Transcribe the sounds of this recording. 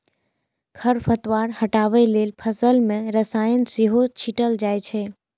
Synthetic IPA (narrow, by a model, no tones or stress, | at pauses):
kʰəɾfʰət̪ʋaɾhəʈaʋeleːlpʰəsəlmẽɾəsaːjənsiɦot͡ʃʰiʈəld͡ʒaːjt͡ʃʰe